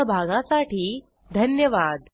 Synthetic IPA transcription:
əbʱaɡãsaʈiː | d̪ʱənjəʋad̪

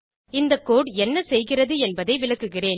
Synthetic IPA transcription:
ɪnd̪ɐkːoːɽɛnːɐsɛjɣɪrɐðɯɛnbɐðɐɪʋɪɭɐkːɯɣɪreːn

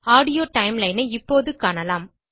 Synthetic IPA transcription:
aːɽɪjoːʈɐɪmlɐɪnɐɪpːoːðɯkːaːɳɐlaːm

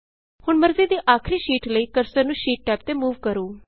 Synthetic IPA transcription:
hʊɳməɾziːd̪iːʔaːkʰɾiːʃiːʈləiːkəɾsəɾnũːʃiːʈ̚ʈɛːp̚t̪eːmuːʋkəɾoː

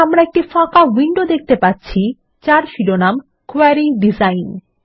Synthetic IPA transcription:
amɾaek̚ʈifãkawiɳɖod̪ek̚ʰt̪epatːɕʰi | t͡ɕaɾʃiɾonam | koaɾiɖizajn

